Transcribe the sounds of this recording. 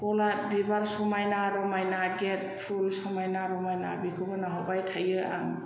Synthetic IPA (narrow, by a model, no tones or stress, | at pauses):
kɔlat̚bibaɾsɔmajnaɾɔmajnaɡet̚pʰulsɔmajnaɾɔmajnabikʰɯbanaɦɔbajtʰajɯa̰ŋ